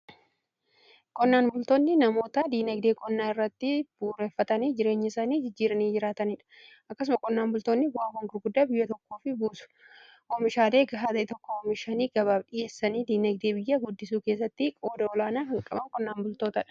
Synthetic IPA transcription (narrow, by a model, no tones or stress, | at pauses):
kʼɔnːaːnbʊlt̪oːnːɪnɐmo̞ːt̪ɐd̪iːnɐɡd̪eːkʼɔnːaːnɪrːɐt̪ːɪb̥uːɾeːfːɐt̪ɐniːd͡ʒɪɾe̞ːɲːɪɪsaːniːd͡ʒɪd͡ʒːiːɾɐniːd͡ʒɪɾaːt̪ɐniːᶑɐ̥ | ʔɐkːɐs̬ʊmɐkʼɔnːaːnbʊlt̪onːɪwaːhɔŋɡʊɾɡʊd̪ːaːbɪjːɐt̪ɔkːo̞ːfɪbuːsʊ̥ | ɔmɪʃaːle̞ːɡɐɦaːd̪ɐɪt̪ɔkːɔɔmɪʃɐniːɡɐβaːbɗɪje̞ːsːɐniːd̪iːnɐɡ̚d̪eːbɪjːɐɡʊd̪ːɪsuːke̞ːs̬ːɐt̪ːɪkʼo̞ːd̪ɐɔlaːnaːhɐŋkʼɐbɐnkʼɔnːaːnbʊlt̪oːt̪ɐᶑɐ̥